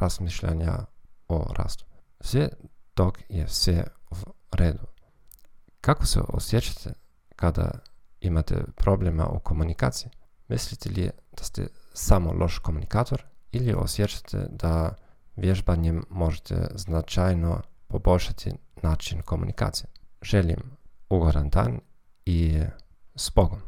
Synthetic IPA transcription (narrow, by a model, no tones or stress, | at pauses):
ɾazmiʃʎa̰ɲa̰o̰ɾa̰ːst̪u̥sʋet̪okjesʋeuɾeːd̪u | kakosḛʔo̰sjet͡ʃḁt̪ʰe | kad̪a̰imat̪ḛpɾobleːma̰ʔukomunika̰ːt̪siimislit̪ʰelid̪̥ast̪ḛsamolʔo̞ʃkomunikaːt̪o̞ɾilio̞̰sjet͡ʃḁt̪ʰḛd̪aʋjeʒbaɲemːo̞ʒet̪ʰḛznat͡ʃajnopo̞bo̞lʲʃat̪ʰinaːt͡ʃinko̞mṵnʔika̰ːt̪sijeʒelḭmuɡoɾand̪a̰ːn | i | sboɡom